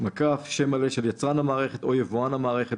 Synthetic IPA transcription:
makafʃe̞maleʃeljat͡sʁanhamaːʁe̞χet̪o̞jevuanamaːʁeχet

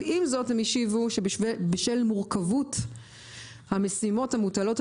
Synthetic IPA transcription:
imzo̞themiʃivuʃeʃbeʃelmuʁkavut | hamesimo̞thamutalo̞t

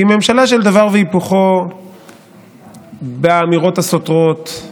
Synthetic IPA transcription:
ime̞mʃalaʃeld̪avaʁveipuχo | beamiʁo̞t̪hasotʁo̞t̪

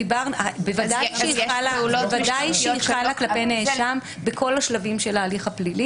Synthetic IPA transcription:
ibaʁnabevad̪ajjʃeialaevadajʃeiχalaklapeneeʃam | bekʰo̞laʃlavimʃelaːliχaplili

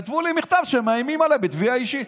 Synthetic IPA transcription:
at̪vulimiχt̪avʃemajmimalebit̪viaiʃi

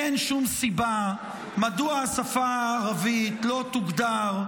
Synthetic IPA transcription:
enʃumsiba | maduaasafaaːʁavitlo̞t̪uɡd̪aʁ

